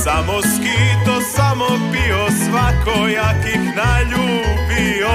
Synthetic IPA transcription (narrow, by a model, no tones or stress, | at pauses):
samoskit̪osamopiosʋakojakixnaʎuːbi | o